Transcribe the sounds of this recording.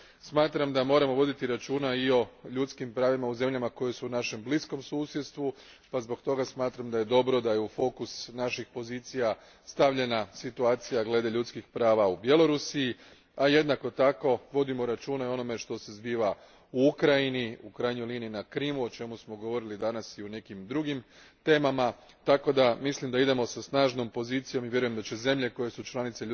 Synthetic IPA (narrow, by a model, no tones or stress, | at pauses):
smaːt̪ɾamd̪amo̞ːɾamo̞ʋo̞d̪it̪iɾat͡ʃuːnaio̞ʎut̪skimpɾaːʋimauze̞mʎamako̞jesuːnaʃe̞mblisko̞msuːsjet̪st̪ʋu | pazbo̞kt̪o̞ɡasmaːt̪ɾamd̪aje̞d̪o̞bɾo̞d̪aje̞ufo̞kusnaʃixpo̞ziːt̪sija | st̪aʋʎe̞nasit̪uaːt̪sijaɡle̞d̪e̞ʎut̪skixpɾaːʋaubje̞lˠo̞ɾusiji | aje̞d̪nako̞t̪ako̞ʋo̞d̪imoɾat͡ʃuːnao̞no̞me̞ʃt̪o̞se̞zbiːʋa | uukɾajiniukɾajɲojliniinakɾiːmuo̞t͡ʃe̞musmo̞ɡo̞ʋo̞ɾilid̪anasiune̞kimd̪ɾuɡim | t̪e̞ːmama | t̪ako̞d̪amislimd̪aid̪e̞mo̞sasnaːʒno̞mpo̞ziːt̪sijo̞miʋʲje̞ɾuje̞md̪at͡ɕe̞ze̞mʎe̞ko̞je̞sut͡ʃlˠanit̪seʎ